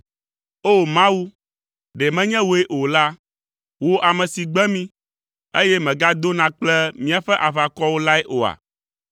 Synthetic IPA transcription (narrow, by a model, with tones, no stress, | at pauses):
o˦˨mã˦wu˦ | ɖɛ˨mɛ̃˦ɲɛ̃˦wo˨e˦ʔo˨la˦ | wo˦ʔa˨mɛ̃˨si˨ɡ͡bɛ˦mĩ˦ | e˦jɛ˦mɛ̃˨ɡa˦d̪o˦nã˨k͡plɛ˦mĩ˦a˨ɸɛ˦ʔa˨va˨kɔ˦wo˦la˦ɛ˦ʔo˨a̰˨